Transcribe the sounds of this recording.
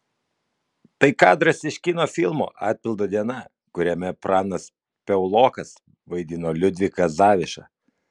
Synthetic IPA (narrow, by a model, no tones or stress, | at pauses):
t̪ɐɪkɑːd̪ɾɐsɪʃʲkʲɪnoːfʲɪlˠmo̰ːʔɑ̰ːt̪̚ʲpʲɪlˠd̪oːd̪ʲiɛnɐ | kʊɾʲɛmʲɛpɾɑːnɐs | pʲɛʊlˠoːkɐs | ʋɐɪd̪ʲɪnoːlʲʊd̪ʲʋʲɪkɐzɑːʋʲɪʃɑ̰